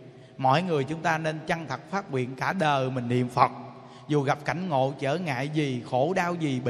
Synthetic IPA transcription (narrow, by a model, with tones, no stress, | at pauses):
mɔ̰˧˨jŋɨ˨˩əjt͡ɕʊ˨˦ŋ͡mt̪aː˧ne˧nt͡ɕa˧ŋt̪ʰə˨˩k̚faː˦˥t̚ŋwḭ˧˨ənkaː˧˩ɗəː˨˩mï˨˩ŋ̟nḭ˧˨əmfə˨˩k͡p̚ | zu˨˩ɣa˨˩p̚ka˧˩jŋ̟ŋo̰˧˨t͡ɕəː˧˩ŋa̰ː˧˨jzi˨˩xo˧˩ɗaː˧wzi˨˩ɓ